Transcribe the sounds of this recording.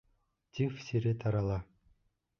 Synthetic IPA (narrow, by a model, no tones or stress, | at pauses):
t̪ʲifsʲeɾet̪ʰɑɾɑlˠɑ